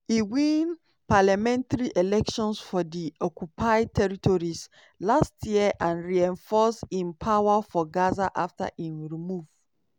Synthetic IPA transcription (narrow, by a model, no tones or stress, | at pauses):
iwĩn | palamɛ̃ntaɹiʔelɛkʃɔ̃nsfɔdiɔkupʰaɪtʰɛɹitʰɔɹis | lastʰjiəʔãnɹiɛ̃nfɔsĩmpʰawafɔɡazaʔafta̰ʔĩnɹimuv